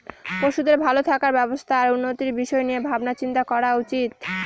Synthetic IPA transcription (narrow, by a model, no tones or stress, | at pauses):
poʃud̪eɾbʱalot̪ʰakaɾbɛbost̪ʰaːɾunːot̪iɾbiʃɔenijebʱabnat͡ɕint̪akɔɾaut͡ɕit̪